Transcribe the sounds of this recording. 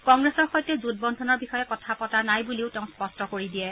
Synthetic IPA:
kɔŋɡɹɛsɔɹxɔjtɛzut̚bɔndʱɔnɔɹbixɔjɛkɔtʰapɔtanajbuliʊteʊ̃spɔstɔkoɹidijɛ

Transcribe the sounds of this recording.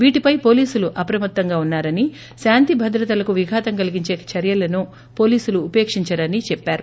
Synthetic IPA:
ʋiːʈipɐjpo̞ːliːsuluʔɐpɾɐmɐt̪ːɐŋɡaːunːaːɾɐni | ʃaːnt̪ibʱɐd̪ɾɐt̪ɐlɐkuʋiɡʱaːt̪ɐŋkɐliɡiɲt͡ʃeːkɐt͡ʃʰɐɾjɐlɐnu | po̞ːliːsuluːpeːkʂiɲt͡ʃɐɽɐnit͡ʃɛpːaːɾu

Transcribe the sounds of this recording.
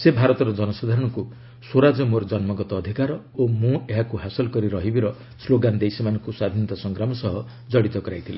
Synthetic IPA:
sebʱaɾɔt̪ɔɾɔd͡ʒɔnɔsad̪ʱaɾɔɽ̃ɔŋku | soɾad͡ʒɔmoɾɔd͡ʒɔnmɔɡɔt̪ɔːd̪ʱikaɾɔ | omũeɦakuɦasɔlɔkɔɾiɾɔɦibiɾɔ | sloɡand̪ejsimanɔŋkuswad̪ʱint̪ɔsɔŋɡɾamɔsɔɦɔ | d͡ʒɔɽit̪ɔkɔɾajt̪ʰile

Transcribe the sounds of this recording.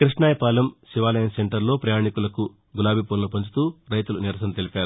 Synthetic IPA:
kɾiʂnaːjɐpaːlɐmsiʋaːlɐjɐnse̞ɳʈɐɾlo̞ːpɾɐjaːɳikulɐku | ɡulaːbʱipoːnlɐpɐɲt͡ʃu̥t̪uːɾɐjt̪uluniɾɐsɐnɐt̪e̞lipʲaːɾu

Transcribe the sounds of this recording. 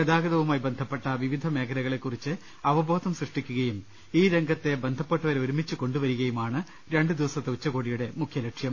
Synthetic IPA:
kɐd̪aːɡɐðɐʋumaːjibend̪ʱɐpːeʈːɐʋiʋid̪ʱɐme̞ːkʰɐɾɐɣɐɭekːurit͡ɕːɨ | ɐʋɐbʱoːd̪ɐmsrɨʂʈikʲːuɣɐjum | iːɾeŋɡʱɐt̪ːe̞be̞nd̪ʱɐpːeʈːɐʋɐɾeoɾumit͡ɕːɨko̞ɳɖuʋɐɾuɣɐjumaːɳɨ | ɾe̞ɳɖɨd̪iʋɐsɐt̪ːeut͡ɕːɐkoːɽijuɽe̞mukʰjɐlɐkʂjɐm

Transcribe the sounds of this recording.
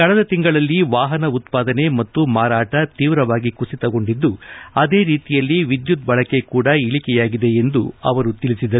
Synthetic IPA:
kɐɭɐd̪ɐt̪iŋɡɐɭɐlːiʋaːɦɐnɐut̪paːd̪ɐne̞mɐt̪ːumaːɾaːʈɐt̪iːʋɾɐʋaːɡikusit̪ɐɡo̞ɳɖid̪ːuɐd̪eːɾiːt̪ijɐlːiʋid̪jut̪̚bɐɭɐke̞kuːɽɐiɭikɛjaːɡid̪e̞end̪uɐ̰ʋɐɾut̪iɭisid̪ɐ

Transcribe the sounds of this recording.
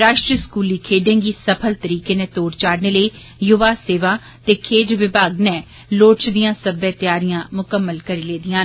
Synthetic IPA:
ɾaːʃʈɾiəskuːliːkʰeːɖẽːŋɡiːsəpʰəlt̪əɾiːkeːneːt̪oːɽt͡ʃaːɽneːləiː | jʊʋaːseːʋaː | t̪eːkʰeːd͡ʒʋɪbʱaːɡnɛː | loːʈt͡ʃd̪ijãːsəbɛːt̪jaːɾɪjãːmʊkəmːəlkəɾiːleːd̪ɪjãː

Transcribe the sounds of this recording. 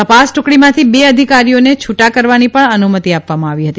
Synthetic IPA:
t̪əpasʈʊkɽimãt̪ʰibeəd̪ʱikaɾijonet͡ʃʰuʈakəɾʋanipəɳənumət̪iapʋamãaʋiɦət̪i

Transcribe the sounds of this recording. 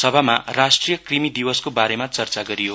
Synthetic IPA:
sʌbʱamarasʈrijʌkkrimid̪iwʌskobaɾemat͡sʌrt͡saɡʌɾijo

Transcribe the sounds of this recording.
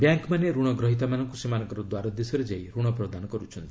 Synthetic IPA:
bjaŋkmaneɾuɽ̃ɔɡɾɔɦit̪̬amanɔŋkusemanɔ̃ŋkɔɾɔd̪waɾɔd̪esɔɾed͡ʒajɾuɽ̃ɔpɾɔd̪anɔkɔɾut͡ʃʰɔnt̪ii̥

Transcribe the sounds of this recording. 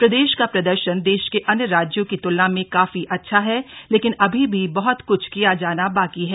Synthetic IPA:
pɾɐd̪eːʃkapɾɐd̪əɾʃənd̪eːʃkeʔɐnjəɾaːd͡ʒjõkit̪ʊlːnãmẽkaːfiʔɐtːʃʰaɦɛleːkɪnɐbʱibʱibɐɦʊt̪kʊt͡ʃʰkijad͡ʒaːnabaːkiɦɛː

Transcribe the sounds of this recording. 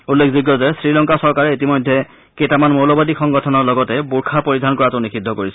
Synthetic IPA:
ulːekʰziɡjɔzɛsɹilɔŋkasɔɹkaɹɛitimɔjdʱɛ | ketamanmolɔbadixɔŋɡɔtʰɔnɔɹlɔɡɔtɛbuɹkʰapoɹidʱankɔɹatʊnikʰidʱːɔkoɹisɛ

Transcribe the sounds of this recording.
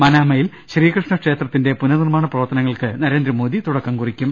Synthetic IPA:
mɐnaːmɐjil | ɕriːɐkrɨʂɳɐkʂe̞ːt̪rɐt̪ːinde̞punɐnirmaːɳɐprɐʋɐrt̪ːɐnɐŋːɐɭkɨnɐɾe̞ːnd̪ɾɐmo̞ːðit̪uɽɐkːamkurikʲːum

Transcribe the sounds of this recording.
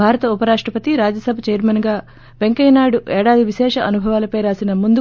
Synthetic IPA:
aːɾɐt̪ɐupɐɾaːʂʈɾɐpɐt̪iɾaːd͡ʒɐsɐbʱɐt͡ʃɛːɾmɐnɡaː | ʋe̞ŋkɐjnaːɽuʔɛːɽaːd̪iʋiʃɛːʂɐʔɐnubʱɐʋaːlɐpɐjɾaːsinɐmund̪u

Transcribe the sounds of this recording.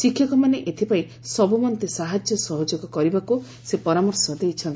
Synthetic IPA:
sikʰːjɔkɔmaneʔet̪ʰipai | sɔbumɔnt̪esaɦad͡ʒjɔsɔɦɔd͡ʒoɡɔkɔɾibaku | sepɔɾamɔɾsɔd̪ejt͡ʃʰɔnt̪i

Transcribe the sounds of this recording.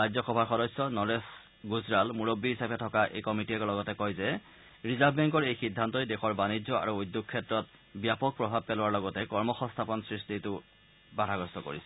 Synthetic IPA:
ɹajd͡ʑzɔxɔbʱaxɔdɔsːɔnɔɹes | ɡuzɹalmuɹobːiɦisabɛtʰɔkaʔḛjkɔmitiɛkɔlɔɡɔtɛkɔjzɛ | ɹizabbɛŋkɔɹejxidʱːantɔjdexɔɹbanizɔa̰ɹuujd̪ːoɡ̚kʰːɛtɹɔt̚ | bijapɔk̚pɹɔbʱab̚pɛlʊaɹlɔɡɔtɛkɔɹmɔxɔ̃nst̪ʰapɔnsɹistitʊ | badʱaɡɔstɔko̰ɹisɛ

